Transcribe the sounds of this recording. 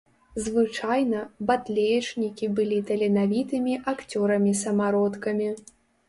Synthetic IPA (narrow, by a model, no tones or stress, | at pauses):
zvɨt͡ʂajnɐbat̪lʲɛjt͡ʂnʲikʲibɨlʲit̪ɐlʲɛnavʲit̪ɨmʲiʔakt͡sʲɔɾɐmʲisɐmaɾɔt̪kɐmʲi